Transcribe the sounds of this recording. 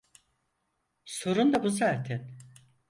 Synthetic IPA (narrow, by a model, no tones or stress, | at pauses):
soɾund̪abuzaɾt̪ʰɛn